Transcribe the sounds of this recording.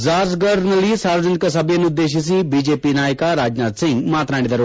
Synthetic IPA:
zaːɾsɡəɾnɐliːsaːɾʋəd͡ʒɐnikɐsɐbjɐnud̪ːeːʃ̬is̬ĩbid͡ʒeːpinaːjəkaɾaːd͡ʒnaːt̪sɪ̃ŋɡmaːt̪ɾaːɳɽid̪ɐɾo

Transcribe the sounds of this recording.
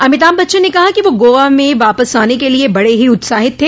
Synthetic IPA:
ɐmɪt̪aːmbɐtːʃənekɐɦakiʋoɡoːʋamẽʋaːpəsaːnekeliebɐɽeɦiʊt̪saːɦɪt̪ʰːeː

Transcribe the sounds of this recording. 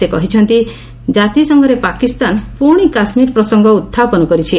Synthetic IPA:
sekɔɦit͡ʃʰɔnt̪i | d͡ʒat̪isɔŋɡʱɔɾepakist̪anpuɾɽ̃ikasmiɾpɾɔsɔŋɡʱɔut̪ʰːapɔnɔkɔɾit͡ʃʰi

